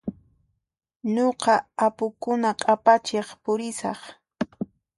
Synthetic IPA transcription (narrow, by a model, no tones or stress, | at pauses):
ɲoqɑapʊkʊnaqʼapat͡ʃeχpʊɾɪsɑχ